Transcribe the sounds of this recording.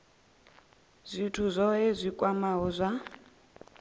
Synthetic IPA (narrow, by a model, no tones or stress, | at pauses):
zʷitʰuzʷɔɦezʷikʼwamaɦɔzʷa